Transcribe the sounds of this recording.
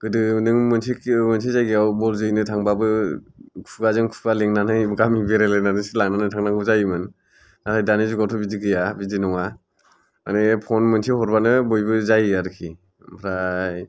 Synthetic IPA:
ɡ̥ɯdɯnɯŋmɯnsʰikʰmɯnsʰizajɡiawbɔlzɯjnɯtʰaŋbabɯ | kʰuɡazɯŋkʰu̥ɡaleŋnanɯjɡamibeɾelɯnanɯsilaŋnanɯtʰaŋnaŋɡɯzajmɯn | natʰajdanizuɡatʰɔbidiɡɯjabidinɔŋa | manɯpʰɔnmɯnsʰihɔɾbanɯbɔjbɯzajaɾɯkʰi | mpʰɾaj

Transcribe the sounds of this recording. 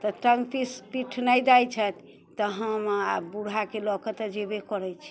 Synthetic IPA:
t̪ɔʈəŋɡpispiʈʰnəjd̪ajt͡ʃʰət̪ | t̪ɔɦəmabuɽ̤ʱakelɔkət̪d͡ʒebekɔɾɛt͡ʃʰi̥

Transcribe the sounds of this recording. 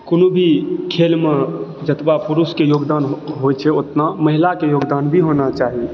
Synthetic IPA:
konobʱikʰelmed͡ʒət̪bapuɾuskejoɡd̪anɦojt͡ʃʰɛot̪naməɦilakejoɡd̪anbʱiɦonat͡ʃaɦi

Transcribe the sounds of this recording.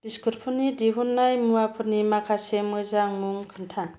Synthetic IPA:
b̥iskɯɾpʰunidiɦunːajmuwapʰɯɾnimakʰasemɯzaŋmuŋkʰɯntʰa

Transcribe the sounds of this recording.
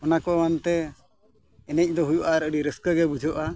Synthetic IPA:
ɔnakɔɛant̪ɛ | ɛnɛc̚ˀd̪ɔɦujuʔaɾəɖiɾəskəɡɛbud͡ʒʱɔʔa

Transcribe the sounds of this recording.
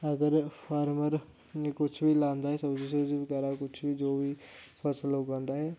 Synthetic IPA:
əɡəɾpʰaːɾməɾ | kʊt͡ʃʰbiːlãːnd̪aːɦɛːsəbd͡ʒis̬əbd͡ʒiːbəɡɛːɾaːkʊt͡ʃʰbiːd͡ʒoːʋiːpʰəsəlɦoːɡãːnd̪aːɦɛː

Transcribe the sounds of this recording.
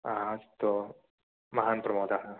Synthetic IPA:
ast̪o | mɐɦaːnpɾɐmoːd̪aɦa

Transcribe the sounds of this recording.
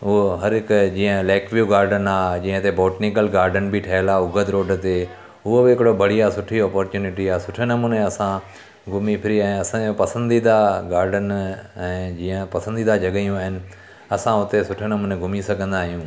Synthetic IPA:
ʊɦɐɾɪkd͡ʒiːə̃lɛːkʋjuːɡaːɾɖənaːd͡ʑiːə̃t̪ebɔːʈnɪkəlɡaːɾɖənbʱiʈʰɛːlaʊɡʱəd̪ɾoːɖt̪e | ʊɦobiɪkɽobɐɽ̤ijasʊʈʰiɔːpoːɾt͡ʃuːnɪʈiaːsʊʈʰenɐmuːnẽɐsã | ɡʱʊmipʰɪɾiɛ̃ːɐsãopɐsə̃nd̪id̪aɡaːɾɖənɛ̃ːd͡ʒiːə̃pɐsə̃nd̪iːd̪ad͡ʒɐɠəjũaɦɪnɪ̆ | ɐsãʊt̪esʊʈʰenɐmuːnẽɡʱʊmisɐɡə̃nd̪aːɦɪjũː

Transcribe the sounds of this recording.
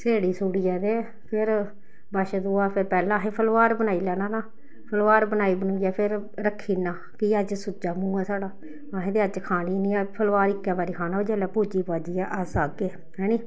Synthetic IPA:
seːɽiːsuːɽiːɛːd̪eː | pʰɪɾ | bəʃd̪oːaːpʰɪɾpɛːlãːɦeːpʰəlʋaːɾbənaːiːlɛːnãːnãː | pʰəlʋaːɾbənaːiːbənuːiːjɛːpʰɪɾ | ɾəkʰːiːnãː | kiəd͡ʒsʊd͡ʒaːmũːaːsaːɽaː | ãːɦeːd̪eːəd͡ʒkʰaːniːnĩːɛːpʰəlʋaːɾɪkːɛ̃ːbaːɾiːkʰaːnãːoːd͡ʒɛːlɛːpuːd͡ʒiːpaːd͡ʒiːɛːʔəsaːɡeː | ɦɛ̃ːniː

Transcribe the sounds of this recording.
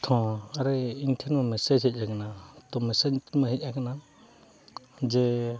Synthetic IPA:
t̪ʰɔ̃aɾɛiɲʈʰɛnmamɛsed͡ʒɦic̪̚ˀakanat̪ɔmɛsed͡ʒt̪ʰnmãɦic̚ˀakana | d͡ʒɛ

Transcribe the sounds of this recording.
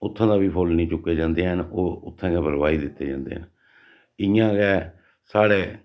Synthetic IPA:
ʊt̪ʰːãːd̪aːbiːpʰolnĩːt͡ʃʊkːeːd͡ʒãːnd̪eːɦənoːʊt̪ʰːãːkɛːpəɾʋaːiːd̪ɪt̪ːeːd͡ʒã̰ːnd̪ḛːɦən | ɪjãːkɛː | saːɽeː

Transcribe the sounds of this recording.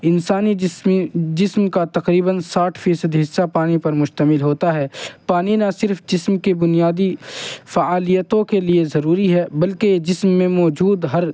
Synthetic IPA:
ɪnsaːni | d͡ʒɪsmkat̪ɐqɾiːbənsaːʈʰfiːsəd̪ɦɪsːapaːnipɐɾmʊʃt̪əmɪlɦoːt̪aɦɛːpaːninɐsɪɾfd͡ʒɪsmkebʊnijaːd̪ifaaːlijət̪õkeliezɐɾuːɾiɦɛbɐlked͡ʒɪsmːẽmɔːd͡ʒuːd̪ɦɐɾ

